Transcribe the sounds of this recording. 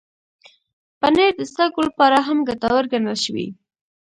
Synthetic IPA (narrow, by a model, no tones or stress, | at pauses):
paneɾd̪əst̪akolapɑɾaɦamɡat̪ɑwəɾɡanəlʃəwḭ